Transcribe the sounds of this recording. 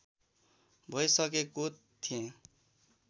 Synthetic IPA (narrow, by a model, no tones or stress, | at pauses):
bʱʌjsʌkekot̪ʰːiẽ